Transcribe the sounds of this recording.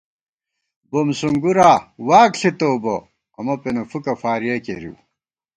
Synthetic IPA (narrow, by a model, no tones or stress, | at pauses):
bomsuŋɡuɾaːwaːkɬit̪oːbo | ɐmɐpenɐfukɐfaːɾijɐkḛɾḭw